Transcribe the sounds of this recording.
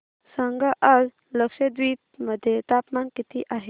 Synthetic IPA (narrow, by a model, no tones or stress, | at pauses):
səŋɡaʔəz | ləkʂed̪ʋiːt̪məd̪ʱjet̪apmankit̪ʰiʔaɦe